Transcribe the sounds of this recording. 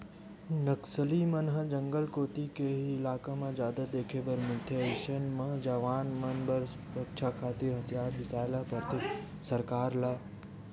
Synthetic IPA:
nəksəlimɐnɦəd͡ʒəŋɡəlkoːt̪ikeiɪlaːkamãd͡ʒjaːd̪ad̪eːkʰebəɾmɪlt̪ʰeʃənmɐ̃d͡ʒaʋaːnmɐnbəɾ | pɐkʃʰakʰaːt̪iɾɦɐt̪ijaːɾʋɪsaːlapɐɾt̪ʰi | sɐɾkaːɾlaː

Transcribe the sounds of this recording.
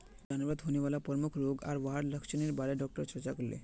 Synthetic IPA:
d͡ʑanobad̪ɦonibalapoɾmukʰɾoɡa̰ɾbaɦaɽləkʃʰoneɾbaɾeɖɔk̚ʈoɾt͡ɕɔɾt͡ɕakollḛ

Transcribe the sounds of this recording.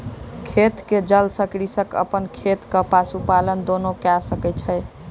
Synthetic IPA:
kʰet̪ked͡ʒəlsəkɾisəkə̰pənkʰet̪kəpasupalənd̪onokasəkɛt͡ʃʰə

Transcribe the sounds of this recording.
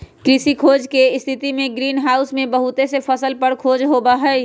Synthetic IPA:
kɾisikʰoːd͡ʒkeɪst̪ʰit̪imẽɡɾiːnɦaːʊsmẽbəɦut̪esepʰəsəlpəɾkʰoːd͡ʒɦobaɦɛj

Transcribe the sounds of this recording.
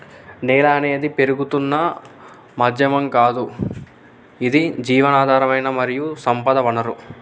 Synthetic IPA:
nɛːlɐːne̞ːd̪ipe̞ɾuɡut̪unːɐ | mɐd̪jɐmɐmkaːd̪u | id̪id͡ʒiːʋɐnaːd̪ʱaːɾɐʋɐjnɐmɐɾijusɐmpɐd̪ɐʋɐnɐɾu

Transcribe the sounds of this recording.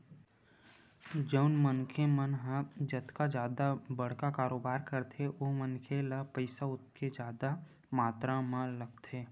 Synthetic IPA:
d͡ʒəʊnmənkʰemənɦad͡ʒɐt̪kad͡ʒjaːd̪abəɽ̤kakaːɾoːbaːɾkəɾt̪ʰeoːmənkʰelapəɪsaʊt̪̚ked͡ʒjaːd̪a | maːt̪ɾãmãləɡ̚t̪eː

